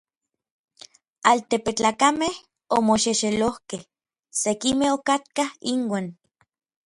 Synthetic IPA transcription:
alt̪epet͡ɬaːkameh | omoʃeʃelohkeh | sekimehokat̪̚kahiŋwaːn

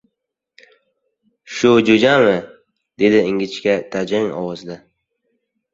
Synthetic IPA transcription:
ʃʊd͡ʒod͡ʒanmɪ | d̪̥e̞d̪ɪɪŋɡʲɪt͡ʃkʲat̪ʰad͡ʒɪŋɒ̰wɒzd̪a

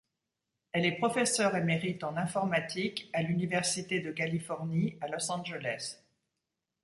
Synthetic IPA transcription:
ɛlɛpχɔfɛsœʁemeʁit̪ɑ̃nɛ̃fɔʁmat̪ikalynivɛʁsit̪ed̪əkalifɔʁnialɔsɑ̃ʒelɛs

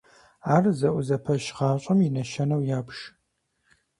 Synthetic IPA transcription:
aːrzɐʔʷʊzɐpʰɐʃʁɑːɕʼɐminɐʃɐnɐwjaːbʃ

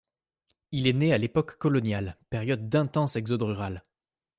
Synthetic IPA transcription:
ilɛnealepɔkːɔlɔnjalpɛʁjɔd̪ːɛ̃t̪ɑ̃sɛɡzɔd̪ʁyʁal

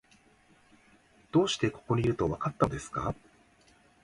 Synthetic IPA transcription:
d̪̥o̞ːɕi̥t̪e̞ko̞̥ko̞ɲ̟ʲiiɾɯ̟t̪o̞βakat̪ːaod̪e̞sɨ̥ka̰

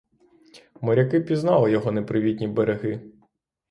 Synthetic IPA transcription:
mɔɾʲɐkɪpʲiznɑlˠɪjɔɦɔnepɾɪʋʲitʲnʲibeɾeɦɪ

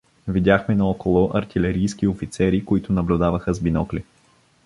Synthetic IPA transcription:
vid̪ʲjaxmɛnɐɔkolˠʊʔɐɾt̪ilɛɾijskiofit̪sɛɾikoit̪ʊnɐblʲʊd̪avəxəzbinɔkli

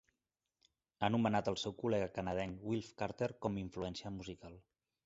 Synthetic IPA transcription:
anumənat̪əlˠsɛwkulɛɣəkənəð̞ɛŋwilˠfkaɾt̪eɾkɔmiɱfluɛnsiəmuzikalˠ

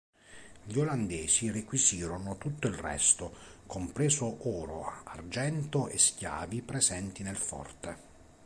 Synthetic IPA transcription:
ʎioland̪eːsirekwisiːɾonʊt̪ut̪ːoilrɛ̰st̪okompɾeːzʊʔɔːɾo̰a̰rd͡ʒɛnt̪oʔḛskja̰ːvipɾɛzɛnt̪inelfɔ̰rt̪e

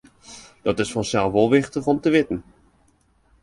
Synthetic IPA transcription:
d̥ɔtɪsfɔnsɛlˠʋolˠʋɪxtəχɔmtəʋɪtən̩

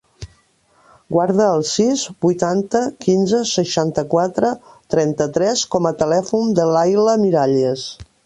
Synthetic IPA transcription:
ɡwaɾðəːlˠsizbujt̪ant̪əkinzəsəʃant̪əkwat̪ɾə | t̪ɾɛnt̪ət̪ɾɛskɔmət̪əlɛfund̪əlajləmiɾaʎes

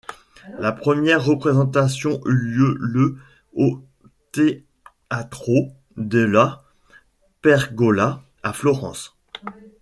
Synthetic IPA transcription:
lapχəmjɛʁːəpχezɑ̃t̪asjɔ̃ʔyljølə | o | t̪e | at̪χo | d̪əla | pɛʁɡɔla | aflɔʁɑ̰̃s

